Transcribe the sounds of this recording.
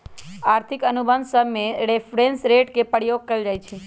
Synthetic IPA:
aɾt̪ʰikənubənd̪səmeɾefɾẽnsɾeʈkepəɽjoɡ̚kəid͡ʒajt͡ʃʰe

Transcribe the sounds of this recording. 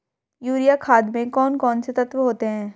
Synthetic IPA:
juːɾijakʰaːd̪mẽkɔːnkɔːnset̪ɐt̪ʋɦoːt̪eɦɛ̃ː

